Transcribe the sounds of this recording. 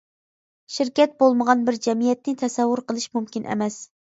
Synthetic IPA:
ʃɪɾkʲɛt̪̚bolˠməʁɑnbɪɾd͡ʒɛmijɛt̪̚nɪt̪ʰɛsɛwːʊɾqəlˠɨʃmumkʲinʔḛmɛs

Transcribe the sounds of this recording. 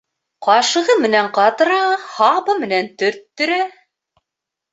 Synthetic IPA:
qɑʃɤ̆ʁɤmɘ̆næɴqɑt̪ɤ̆ɾɑhɑbɤmɘ̆nænt̪ɵ̆ɾt̪ːɵ̆ɾæ

